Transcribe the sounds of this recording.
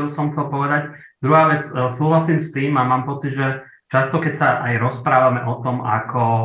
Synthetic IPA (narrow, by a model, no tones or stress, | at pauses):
busɔmxt͡sɛlpɔʋɛd̪ac | d̪ɾuɦaːʋɛt͡ssuːɦlasiːmst̪iːmamaːmpɔt͡sid̪ʒɛ | t͡ʃast̪ɔkɛcsaʔajɾɔspɾaːʋamɛʔɔt̪ɔma̰kʰɔ